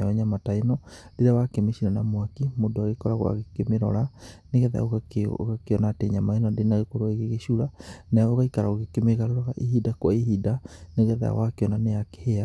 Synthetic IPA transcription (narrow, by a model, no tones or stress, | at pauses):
aɔɲamatainɔdeɾawakemeʃiɾanamwakimodoaɣekɔɾaɣwa̰ɣekemeɾɔ̰ɾaneɣɛða̰o̰ɣao̰ɣakeɔnateɲamainɔdenaɣekoɾoaeɣeɣeʃuɾanaoɣaikaɾaoɣekemeɣaɾeɾɔɾaʔihidakwaiɦidaneɣɛða̰a̰wakeɔnanejake̥hea